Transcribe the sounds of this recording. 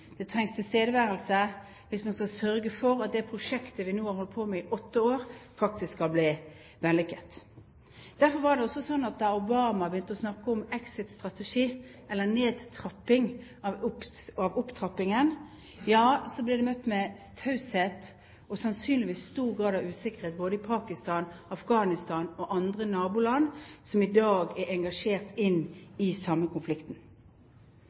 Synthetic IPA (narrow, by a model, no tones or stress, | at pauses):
d̪̥ɛt̪ʰɾɛŋst̪ʰɪlst̪eːd̪əʋæːɾəlsə | ʋɪsmɑnskɑsœɾɡəfɔɾɑt̪̚d̪ɛpʰɾʊʂɛkt̪əʋɪnuːhɑɾhɔlt̪̚pʰoːmɛɪʔɔt̪ːəoːɾfɑk̚t̪ɪskɑlbliː | ʋɛlːɪkət̪ | d̪̥æɾfɔɾʋɑɾɖ̪ɛɔsːɔsɔnːɑt̪̚d̪ɑʊbɑːmɑbjʏnt̪əɔsnɑkːəɔmɛksɪt̪st̪ʁɑt̪əʂiːʔɛlːəneːd̪t̪ʰɾɑpːɪŋ | ɑʊpɑʋʊpt̪ʰʁɑpːɪŋən | jɑːsɔblɛd̪ɛmœt̪ːmɛ | t̪ʰɑʉsheːt̪ | ɔsɑnsyːnlɪʋiːsːt̪uːʁɡʁɑːd̪ɑʋʉːsɪkəʁheːt̪̚boːd̪əɪpʰɑːkɪst̪ɑːnɑfɡɑːnɪst̪ɑːnɔʔɑnd̪ʁənɑːbʊːlɑnːsɔmɪd̪ɑːɡɛɾɛŋɡɑʂeːʁt̪ɪnːɪsɑmːəkʰʊnflɪkt̪n̩